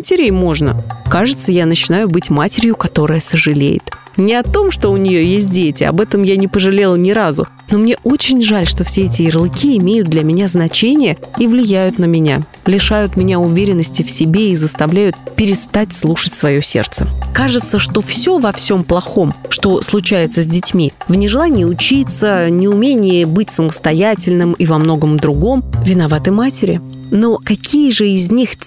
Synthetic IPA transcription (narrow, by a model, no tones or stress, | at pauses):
mətʲɪɾʲejmo̞ʐnə̰kaʐɨt̪səjanət͡ɕɪnajʊbɨtʲmatʲɪɾʲjʊkɐt̪o̞ɾəjəsəʐɨlʲḛjɪ̰t̪ | nʲɪɐt̪o̞mʂt̪o̞ʊnʲɪjo̞jesʲt̚ʲdʲetʲɪɐ̰bɛt̪əmjanʲɪpəʐɨlʲe̞lˠnʲɪɾazʊ̰ | no̞mnʲe̞ʔo̞t͡ɕɪnʲʐalʲʂt̪o̞fsʲeɛtʲɪɪrlˠɨkʲiɪmʲejʊd̪̚d̪lʲɐmʲɪnʲaznɐt͡ɕenʲɪjəivlʲɪjæjʊt̪nəmʲɪnʲa̰ | lʲɪʂajʊt̪mʲɪnʲaʊvʲeɾʲɪnːəsʲtʲɪfsʲɪbʲeizəst̪ɐvlʲæjʊt̪̚pʲɪɾʲɪst̪atʲslˠuʂɨtʲsvɐjo̞sʲe̞̰rt̪sə̰kaʐɨt̪səʂt̪o̞fsʲovɐfsʲo̞mplˠɐxo̞mʂt̪o̞slˠʊt͡ɕæjɪt̪səzʲdʲɪtʲmʲivnʲɪʐɨlˠanʲɪjəʊt͡ɕit̪sənʲɪʊmʲenʲɪjəbɨtʲsəməst̪ɐjætʲɪlʲnɨmivɐmno̞ɡəmd̪ɾʊɡo̞mvʲɪn̪ɐvat̪ɨmatʲɪɾʲɪ̰ | no̞kɐkʲʰijəʐɨɪzʲnʲix